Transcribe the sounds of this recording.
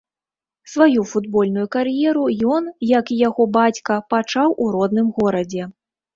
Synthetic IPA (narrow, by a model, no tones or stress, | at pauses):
svajufud̪bɔlʲnujukaɾjɛɾujɔnjɐkijaɣɔbat͡sʲkɐpat͡ʂawʔuɾɔd̪nɨmɣɔɾɐd͡zʲɛ